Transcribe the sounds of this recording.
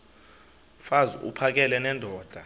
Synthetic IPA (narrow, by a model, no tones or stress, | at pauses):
fazuṵpʰak̬ɛlɛnɛndʱɔːd̥ʱa